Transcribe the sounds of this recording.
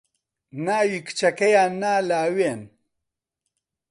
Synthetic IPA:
naːwikɨ̥t͡ʃɐkɐjaːnːaːlaːweːn

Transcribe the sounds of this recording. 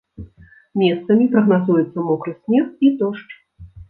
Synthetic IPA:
mʲɛst̪sɐmʲipɾɐɣnazujɛt̪sːɐmɔkɾɨsʲmʲɛxid̪ɔʂt͡ʂ

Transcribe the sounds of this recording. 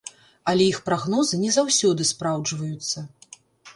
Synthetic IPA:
ɐlʲɛixpɾaɣnɔzɨnʲɛzawsʲɔd̪ɨspɾawd͡ʐvɐjut̪sːɐ

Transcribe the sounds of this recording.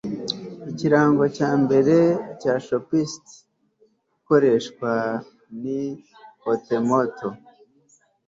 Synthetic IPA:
iciɾaːŋɡo̞caːmbe̞ɾe̞caʃopist | uko̞ɾe̞ʃkwa | ni | otemoto

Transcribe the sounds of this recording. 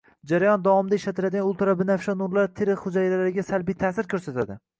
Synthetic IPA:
d͡ʒaɾajɒnd̪ɒwɒmɪd̪aɪʃlat̪ʰɪlad̪ɪɡʲanʊlˠt̪ɪɾabɪnafʃɒnʊɾlaɾt̪ʰeɾɪχʊd͡ʒajlalaɾɪɡʲasalbijt̪ʰaːsɪɾkʰɵɾsat̪ʰad̪ɪ

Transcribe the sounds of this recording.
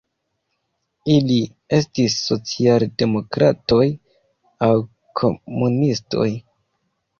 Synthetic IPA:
ili | e̞stisːo̞t͡sialde̞mo̞kɾato̞j | aw | kʰo̞munisto̞̰j

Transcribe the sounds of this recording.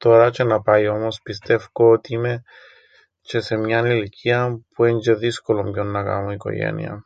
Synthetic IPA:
t̪o̞ɾɐt͡ʃe̞nɐpɐjo̞mo̞spist̪e̞fkoot̪iime̞ | t͡ʃe̞se̞mɲɐniliciɐpueɲd͡ʒeðisko̞lo̞mʝo̞nːɐkɐ̰moiko̞̰ʝḛnḭɐ̰

